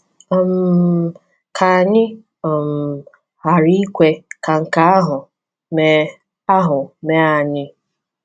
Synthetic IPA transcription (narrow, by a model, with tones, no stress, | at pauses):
ɔ˦m̩˦ | kʰa˨ɲɪ˦ | ɔ˨m̩˨ | ha˨ɾi˦kʷe˦ka˨ŋ̩˨ka˦a˦ɦʊ˨ | me˨ | a˦ɦʊ˨me˨a˨ɲɪ˦